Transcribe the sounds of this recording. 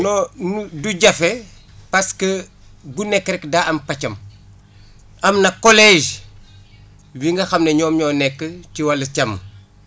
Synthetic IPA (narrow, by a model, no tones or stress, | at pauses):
nɔnuduɟɐfɛ | pɐskə | ɡunɛkːɾɛkdaːɐmpɐcɐm | ɐmnɐkɔlɛʒ | wiŋɡɐxɐmnɐɲɔːmɲɔːnɛkːətiwɐlɐcɐmː